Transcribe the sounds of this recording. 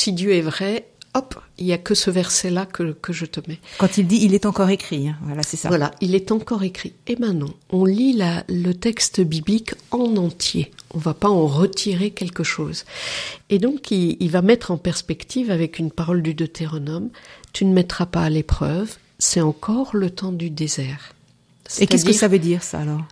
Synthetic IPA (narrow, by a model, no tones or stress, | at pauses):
sid̪jøɛvʁɛ | ɔpiljakəsəvɛʁsɛlakəkəʒət̪əmɛkɑ̃t̪ild̪iːlɛt̪ɑ̃kɔʁekχiɛ̃vwalasɛsavwalailɛt̪ɑ̃kɔʁekχiemɛ̃nɑ̃ɔ̃lilalət̪ɛkst̪əbiblikɑ̃nɑ̃t̪jeɔ̃vapaɑ̃ʁət̪ʰiʁekʲɛlkəʃoːz | ed̪ɔ̃kiilvamɛt̪χɑ̃pɛʁspɛkt̪ʰivavɛkynpaʁɔld̪yd̪ot̪ʰeʁɔnɔmt̪ynəmɛt̪χapaːlepχœv | sɛɑ̃kʰɔʁlət̪ɑ̃d̪yd̪ezɛːʁ | sɛekt̪ɛskəsavød̪iʁsa̰ːlɔʁ